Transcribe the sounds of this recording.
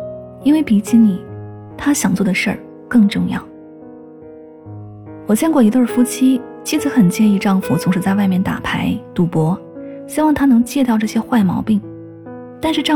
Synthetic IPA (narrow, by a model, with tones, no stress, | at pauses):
i˥nwe˥˩ɪpi˧˥t͡ɕʰi˥nni˨˩˦ | t̪ʰa˥ɕjɑ˨˩ŋt͡swɔ˥˩d̪ə˩ʂə̰˞˥˩ | kɤ˥˧ŋʈ͡ʂɤ˥˧ŋjɑ̰˥˩ʊ | wɔ˨˩t͡ɕjɛ˥˧nŋkwɔ˥˩i˧˥t̪wə˥˧˩fu˥t͡ɕʰi˥ | t͡ɕʰi˥˩t͡sɹ̩˧˥xə˨˩nt͡ɕjɛ˥˧ni˥˧ʈ͡ʂɑ˥˩ŋfu˧˩t͡sʰʊ˧˥ŋʂɻ̩˧˥t͡sa˥˧ɪwa˥˧ɪmjɛ˥˩nt̪a̰˨˩pʰa˧˥ɪt̪u˧˥pwɔ˧˥ | ɕi˥wɑ˥˩ŋt̪ʰa˥nɤ˧˥ŋt͡ɕjɛ˥˧t̪ɑ˥˧ʊʈ͡ʂɤ˥˩ɕjɛ˥xwa˥˩ɪmɑ˧˥ʊpi˥˩ŋ | t̪a˥˧nʂɻ̩˥˧ʈ͡ʂɑ˥˧